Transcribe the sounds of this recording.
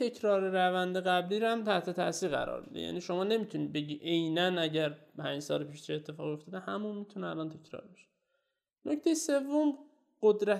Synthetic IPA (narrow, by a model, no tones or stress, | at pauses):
e̞kʰɾɒːɾeɾævænd̪eɣæbliːɾæmt̪ʰæht̪ʰe̞t̪ʰæʔsiːɾɣæ̰ɾɒ̰ːɾmḭd̪ḛjæ̰niːʃo̞mɒːne̞miːt̪ʰuniːd̪be̞ɟiːʔejnænæɟæɾpʰæːnd͡ʒsɒ̰ːlepʰiːʃt͡ʃʰiet̪ʰːe̞fɒːɣo̞ft̪ʰɒːd̪ehæmunmiːt̪ʰuneælɒnt̪ʰe̞cʰɾɒ̰ːɾbeʃe̥ | noct̪ʰe̞jese̞vːom | ɢod̪ɾæ